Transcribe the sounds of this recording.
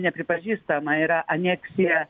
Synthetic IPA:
nʲɛpʲɾʲɪpɐʒʲist̪ɐmɐɪɾaʔɐnʲɛksʲɪjɐ

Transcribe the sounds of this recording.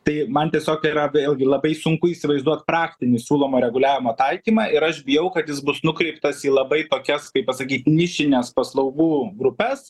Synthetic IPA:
t̪ɐɪmɐnt̪ʲiɛsʲoːkiːɾɐʋʲeeːlʲˠɡʲɪlˠɐbɐɪsʊŋkʊiːsʲɪʋɐɪzd̪uɔt̪prɑːkt̪ʲɪnʲɪsʲuːlˠoːmoːɾʲɛɡʊlʲæːʋʲɪmoːt̪ɐɪkʲiːmɑːʔɪɾɐʃbʲɪjɛʊkɐt̪jɪsbʊsnʊkɾʲɛɪpt̪ɐsiːlˠɐbɐɪt̪oːkʲɛskɐɪpɐsɐkʲiːt̪ʲnʲɪʃʲɪnʲɛspɐslˠɐʊɡuːɡɾʊpʲɛs

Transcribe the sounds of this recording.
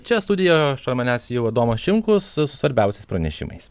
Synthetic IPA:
t͡ʃʲɛst̪ʊd̪ʲɪjɛʃt̪oɾʲmʲɐnʲæsjɛʊɐd̪oːmɐsʃʲɪŋkʊssʊsʋɐɾʲbʲɛˑʊsʲɛɪspɾɐnʲɛʃʲɪ̰mɐ̰ɪs

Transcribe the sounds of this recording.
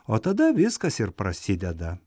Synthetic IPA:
oːt̪ɐd̪ɐʋʲɪskɐsɪɾpɾɐsʲɪd̪ʲɛd̪ɐ

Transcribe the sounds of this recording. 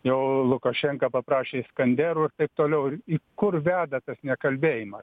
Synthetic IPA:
jɛʊlˠʊkɐʃʲɛŋkɐpɐpɾɑːʃʲeːskɐnʲd̪ʲæːɾuːɪrt̪ɐɪp̚t̪oːlʲɛʊɪɾiːkʊrʋʲæːd̪ɐt̪ɐsnʲɛkɐlʲbʲeːjɪmɐ

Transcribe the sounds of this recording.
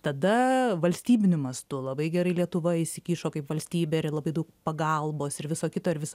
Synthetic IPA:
t̪ɐd̪ɐʋɐlʲsʲt̪ʲiːbʲɪnʲʊmɐst̪ʊlˠɐbɐɪɡʲɛɾɐɪlʲiɛt̪ʊʋɐɪʃsʲɪkʲiːʃoːkɐɪpʋɐlʲsʲt̪ʲiːbʲeːɾlˠɐbɐɪd̪ɐʊk̚pɐɡɐlˠboːsɪɾʋʲɪsoːkʲɪt̪oːɪɾʋʲɪs

